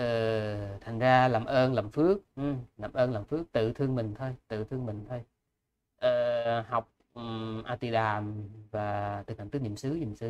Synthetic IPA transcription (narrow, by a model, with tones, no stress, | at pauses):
ʔəː˨˩t̪ʰa˨˩ŋ̟zaː˧laː˨˩mʔəː˧nlə˨˩mfɨ˦˥ək̚ʔlaː˨˩mʔəː˧nlaː˨˩mfɨ˦˥ək̚t̪ɨ̰˧˨t̪ʰɨ˧əŋmï˨˩ŋ̟t̪ʰo˧jt̪ɨ̰˧˨t̪ʰɨ˧əŋmï˨˩ŋ̟t̪ʰo˧j | ʔəː˨˩ha˨˩wk͡p̚ | ʔaː˧t̪i˧ɗaː˨˩mvaː˨˩t̪ɨ˨˩haː˧˩ŋɨ˦˥ɲḭ˧˨əmsɨ˨˦ɲḭ˧˨əmsɨ˨˦